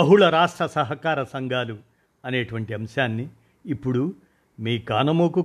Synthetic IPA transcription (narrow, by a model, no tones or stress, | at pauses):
ɐɦuɭɐɾaːʂʈɾɐsɐɦɐkaːɾɐsɐŋɡʱaːlu | ɐneːʈuʋɐɳʈiɐmɐʃaːnːiː | pːuɽu | miːkaːnɐmoːku